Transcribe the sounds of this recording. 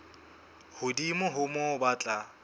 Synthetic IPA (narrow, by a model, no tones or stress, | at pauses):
hʊdimʊɦʊmɔbat͡ɬʼa